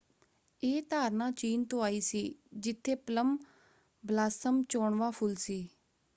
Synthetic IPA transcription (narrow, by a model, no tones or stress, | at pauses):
eːt̪aːɾnãːt͡ʃiːnt̪õːaːiːsiːd͡ʒɪt̪ʰːeːpələm | blaːsəmt͡ʃoːɳʋaːpʰʊlsiː